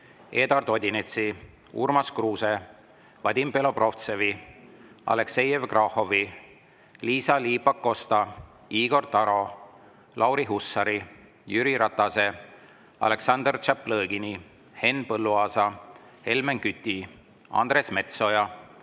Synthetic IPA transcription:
e̞ːd̪ɑrd̪o̞d̪ʲinet̪si | ṵrmɑskruːse̞ | vɑd̪ʲimpe̞lo̞pro̞ft̪sevi | ɑ̰le̞kse̞jevkrɑho̞vi | liːsɑliːpːɑkːo̞st̪ɑ | iːɡ̥o̞rt̪ɑɾo̞ | lʔɑwɾiɦusːɑɾi | jyɾiɾɑt̪ːˑɑse̞ | ɑ̰le̞ksɑnd̪rt͡ʃɑpːlɤːɡini | he̞npɤlːuɑːsɑ | he̞lmeŋkyt̪ʲːi | ɑ̰nd̪ɾe̞sme̞t̪so̞jɑ

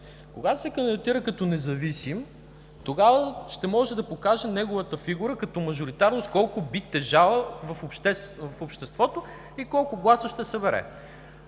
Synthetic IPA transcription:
koɡat̪ʊ̥sɛkɐnd̪d̪t̪iɾəkɐt̪ɔnɛzɐvisim | t̪oɡavəʃt̪ɛmɔʒɛd̪ɐpokaʒɛnɛɡʊvət̪əfiɡuɾəkɐt̪ɔmɐʒʊɾit̪aɾnost̪kɔlˠkʊbit̪ːɛʒalˠəvɐfpʃɛvɐfopʃt̪ɛst̪vɔt̪oʊ | ikɔlˠkʊɡlˠasəʃt̪ɛsɐbɛɾɛ̰

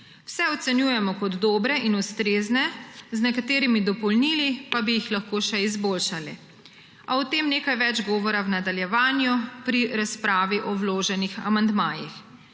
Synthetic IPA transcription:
w̥sɛɔt̪sɛnjuːjɛmɔkɔd̪ːoːbɾɛʔinust̪ɾeːznɛznɛkat̪eːɾimid̪ɔpɔlniːlipabijixlaxkoːʃɛizboːlʃali | awt̪emneːkajʋɛd͡ʒɡɔːʋɔɾawnad̪aljɛʋaːnjupɾiɾaspɾaːʋiʔɔwloːʒɛnixa̰mand̪maːjix

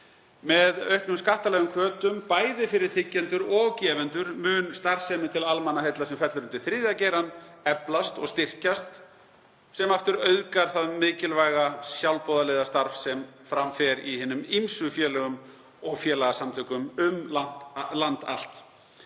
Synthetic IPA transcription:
mɛðœɥhknʏmskaht̪alɛɣʏmkʰvœːt̪ʏmpaːjðɪfɪɾɪɾ̥θʰɪcːɛnt̪ʏɾɔcɛːvɛnt̪ʏɾmʏːnst̪aɾvsɛːmɪt̪ʰɪlalmanːahejt̪lasɛmfɛt̪ʏɾʏnt̪ʏθɾɪːðacɛːjɾanɛplast̪ɔɣst̪ɪr̥cast̪ | sɛmaft̪ʏɾœɥðkaɾ̥θaðmɪːcɪlvajɣasjawlpɔðalɪːðast̪aɾfsɛmfɾamfɛɾiɦɪnːʏmimsʏfjɛːlɛɣʏm | ɔɣfjɛːlaɣasamt̪ʰʏːkʏmʏmlan̥t̪lant̪a̰l̥t̪

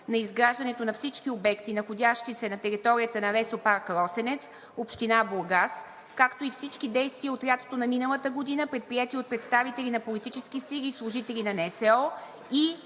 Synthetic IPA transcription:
nɐizɡɾaʒd̪ɐnɛt̪onɐfsit͡ʃk̟iobɛkt̪inɐxodʲaʃt̪isɛnɐt̪ɛɾit̪ɔɾijət̪ənɐvɛsopaɾkɾɔsɛnɛt̪s | opʃt̪inabolˠɡas | kakt̪oifsit͡ʃkid̪ɛjst̪viəot̪ɾʲjat̪o̥t̪onɐminəlˠət̪əɡod̪inəpɾɛt̪̚pɾijɛt̪iot̪̚pɾɛt̪st̪avit̪ɛlʲinɐpolit̪it͡ʃɛskisilʲiːslˠʊʒit̪ɛlʲinɐnɛsɛɔ | i

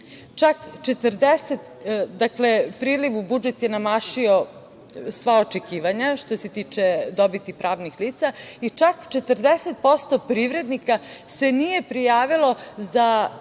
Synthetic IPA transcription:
t͡ʃakt͡ʃet̪rd̪eset̪d̪aklepɾiːliʋubud͡ʒet̪jenamaːʃio̞ | sʋao̞t͡ʃe̞kiːʋaɲaʃt̪o̞se̞t̪iːt͡ʃed̪o̞bit̪ipɾaːʋnixliːt̪sait͡ʃakt͡ʃe̞t̪ərd̪eset̪̚po̞st̪o̞pɾiːʋɾe̞d̪nikase̞nije̞pɾijaːʋilo̞za

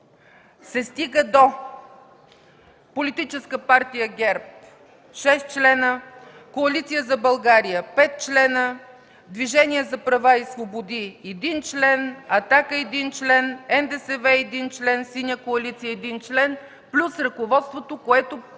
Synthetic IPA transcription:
sɛst̪iɡəd̪o | polit̪it͡ʃɛskəpaɾt̪ijəɡʲɛɾp̚ | ʃɛst̪̚t͡ʃlɛnə | koɐlit̪sijəzɐbɐlˠɡaɾijəpɛt̪̚t͡ʃlɛnə | d̪viʒɛniɛzɐpɾɐvaisvobod̪iɛd̪int͡ʃlɛnɐt̪akəɛd̪int͡ʃlɛnɛnd̪ɛsɛvɛɛd̪int͡ʃlɛnsinʲjəkoɐlit̪sijəɛd̪int͡ʃlɛn | plʲusɾɐkovɔt̪st̪vot̪okoɛt̪o

